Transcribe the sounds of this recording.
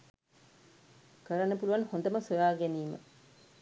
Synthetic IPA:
kəɾənːəpuluʋanhond̪əməsojaːɡɛniːmə̰

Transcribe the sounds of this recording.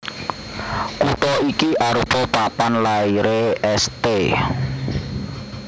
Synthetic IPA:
kut̪ɔikiʔaɾupɔpapanlaiɾeʔɛst̪e

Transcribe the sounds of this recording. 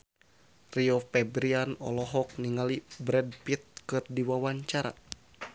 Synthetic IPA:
riɔfɛbɾianɔ̰lɔɦɔk̚niŋalibɾɛd̚pit̪̚kɨrdiwawaɲt͡ʃaɾa̰

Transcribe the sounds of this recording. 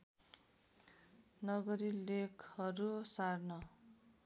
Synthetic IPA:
nʌɡʌɾilekʰʌɾusarnʌ

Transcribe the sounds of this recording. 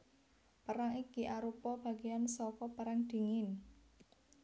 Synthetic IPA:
pəɾaŋikiʔaɾupɔb̥a̤ɡeansɔkɔpəɾaŋd̪̥i̤ŋɪn

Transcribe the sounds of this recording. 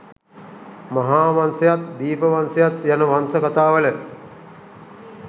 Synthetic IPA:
maɦaːʋansɐjat̪d̪iːpəʋansejat̪janəʋansəkat̪aːʋələ

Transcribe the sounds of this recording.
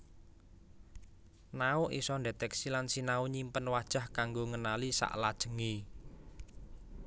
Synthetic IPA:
naʊʔḭsɔndet̪ɛksilansinauɲimpənwad̥ʒ̥a̤hkaŋɡoŋənalisa̰ʔlad̥ʒ̥ə̤ŋi

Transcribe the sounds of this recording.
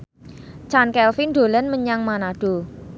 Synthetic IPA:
t͡ʃankɛlfinɖo̤lənməɲaŋmanaɖ̥o

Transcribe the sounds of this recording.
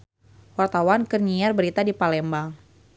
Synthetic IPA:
wart̪awankərɲiarbəɾit̪adipalɛmbaŋ

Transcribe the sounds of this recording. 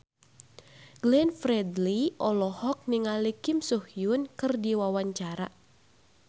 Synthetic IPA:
ɡ̥lɛnfɾɛdliʔɔlɔhɔk̚niŋalikimsuhjunkɨrdiwawaɲt͡ʃaɾa

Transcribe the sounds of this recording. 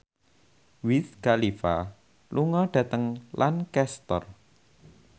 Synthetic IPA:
witkalifa̰ | luŋɔɖ̥ä̤t̪əŋlʔankɛst̪ɔ̰r

